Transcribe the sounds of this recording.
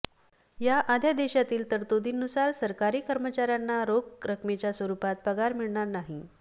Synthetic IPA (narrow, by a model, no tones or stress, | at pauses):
jaʔad̪ʱjad̪eɕat̪iːlt̪əɾt̪od̪ʱiːnːusaɾsəɾkaɾiːkəɾmət͡ɕaɾjanːaɾoɡɾəkʰmet͡ɕjasʋəɾupat̪̚pəɡaɾmiɭɳaɾnaɦi